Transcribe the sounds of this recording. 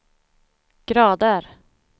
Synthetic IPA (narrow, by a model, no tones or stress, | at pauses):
ɡ̥ɾɑːd̪əɾ